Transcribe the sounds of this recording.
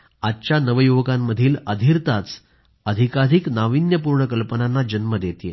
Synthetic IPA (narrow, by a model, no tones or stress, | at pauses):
att͡ɕanəʋəjuʋɡamːəd̪ʱiːləd̪ʱiɾt̪at͡s | əd̪ʱikad̪ʱiknaʋinjəpuɾɳəkəlpənanːad͡ʑənməd̪et̪ije